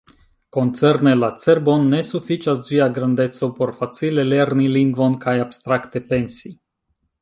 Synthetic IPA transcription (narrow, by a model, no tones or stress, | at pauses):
ko̞nt̪sernelat̪serbonːesufit͡ʃazziaɡɾand̪et̪sowporfat̪silelernilinɡvonkajabst̪ɾakt̪epensi